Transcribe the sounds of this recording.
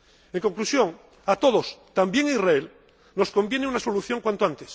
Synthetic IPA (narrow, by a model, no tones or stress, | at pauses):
eŋko̞ŋklusjo̞ŋ | at̪o̞ðo̞st̪ambje̞ŋirael | no̞sko̞mbjeneunaso̞luθjo̞ŋkwant̪oant̪es